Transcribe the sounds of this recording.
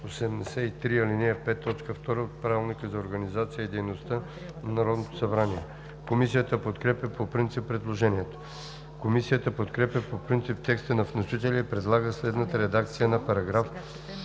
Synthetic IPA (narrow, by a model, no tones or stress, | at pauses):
osɛmnɛsɛit̪ɾiɐlinɛpɛt̪ːɔt͡ʃkəft̪ɔɾəot̪̚pɾavilˠnikəzɐoɾɡɐnizat̪sijəid̪ɛjnost̪ə | nnɐɾɔd̪not̪o̥sɐbɾaniɛ | komisijət̪əpot̪kɾɛpjɐpopɾint̪sipːɾɛd̪lˠoʒɛniɛt̪o̥ | komisijət̪əpot̪kɾɛpʲjəpopɾint̪sip̚t̪ɛkst̪ənɐfnoʃit̪ɛlʲiipɾɛd̪lˠaɡəslɛd̪nət̪əɾɛd̪ak̚t̪sijənɐpɐɾɐɡɾaf